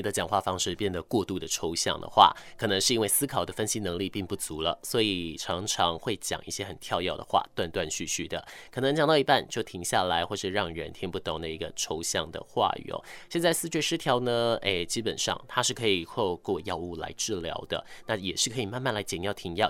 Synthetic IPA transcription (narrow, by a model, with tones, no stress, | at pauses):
d̪ə˧t͡ɕjɑ˨˩ŋxwa˥˧fɑ˥ŋʂɻ̩˥˧pjɛ˥˩nd̪ə˩kwɔ˥˧t̪u˥˩d̪ə˩ʈ͡ʂʰo˧˥ʊɕjɑ̰˥˩ŋd̪ə̰˩xwa̰˥˩kʰɤ˨˩nɤ˧˥ŋʂɻ̩˥˧i˥nwe˥˩ɪsɹ̩˥kʰɑ˨˩ʊd̪ə˦fə˥nɕi˧˥nɤ˧˥ŋli˥˧pi˥˧ŋpu˥˩t͡su˧˥lə̰˧swɔ˧˥i˨˩ʈ͡ʂʰɑ˧˥ŋʈ͡ʂʰɑ˧˥ŋxwe˥˩ɪt͡ɕjɑ̰˨˩ŋʔi˥˩ɕjɛ˥xə˨˩nt̪ʰjɑ˥˧ʊjɑ˥˩ʊd̪ə̰˩xwa̰˥˩t̪wa˥˧nt̪wa˥˧nɕy˥˧ɕy˥˩d̪ə̰˩kʰɤ˨˩nɤ˧˥ŋt͡ɕɑ˨ŋt̪ɑ˥˩ʊi˧˥pa˥˧nt͡ɕjo˥˩ʊt̪ʰi˧˥ŋɕja˥˩la˧˥ɪxwɔ˥˧ʂɻ̩˥˧ɻɑ˥˩ŋɻə˧˥nt̪ʰjɛ˧˥npu˥˩t̪o˨˩ŋd̪ə˧i˧˥ɡə˧ʈ͡ʂʰo˧˥ʊɕjɑ˥˩ŋd̪ə̰˨xwa̰˥˩y̰˨˩ɔ̰˦ɕjɛ˥˧nt͡sa˥˩ɪsɹ̩˥˧t͡ɕɥɛ˥˩ʂɻ̩˥t̪ʰjɑ˧˥ʊnə˧e˥˩t͡ɕi˥pə˨˩nʂɑ̰˥˩ŋt̪ʰa˥ʂɻ̩˥˩kʰɤ˧˥i˨˩xo˥˧ʊkwɔ˥˩jɑ˥˧ʊu˥˩la̰˧˥ɪʈ͡ʂɻ̩˥˩ljɑ̰˧˥ʊd̪ə̰˨na˥˩jɛ˨˩ʂɻ̩˥˩kʰɤ˧˥i˨˩ma˥˧nma˥˩nla˧˥ɪt͡ɕjɛ˨˩ŋjɑ˥˩ʊt̪ʰi˧˥ŋjɑ˥˩ʊ